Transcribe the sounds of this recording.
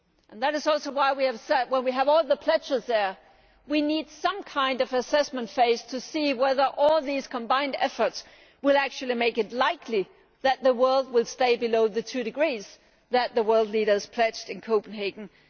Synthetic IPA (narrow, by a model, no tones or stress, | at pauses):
ʔɨ̃nðɨɾɨzɔlˠsoʊwaɪwiɨv̥sɛd̚wə̃nwiɨvɔlˠðəpʰl̥ɛd͡ʒəzðə˞ | winid̥sʌ̃mkʰãɪ̃ndʌvɨsɛsmə̃ntfeɪz̥tʰɨsiwɛðə˞ʔɔlˠðiz̥kʰə̃mbãɪ̃ndɛ̰fə˞ts | wɪlˠæk̚t͡ʃʉl̩ˠimeɪkɨtˡlaɪkʰli | ðɨt̪̚ðɨwɜ˞lˠd̚wɪlˠsteɪbɨloʊðɨtʰʉɾɨɡɹiz̥ | ðɨt̪̚ðɨwɜ˞lˠdˡliɾə˞z̥pʰl̥ɛd͡ʒdɨ̃nkʰoʊpn̩ɦeɪɡn̩